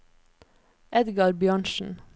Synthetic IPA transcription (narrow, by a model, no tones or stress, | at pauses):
ʔɛd̪ɡɑɾbjɑɳʃn̩